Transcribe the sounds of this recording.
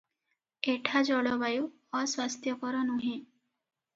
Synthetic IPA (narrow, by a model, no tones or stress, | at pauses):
eʈʰad͡ʒɔɽɔbaju | ɔswast̪ʰjɔkɔɾɔnuɦẽ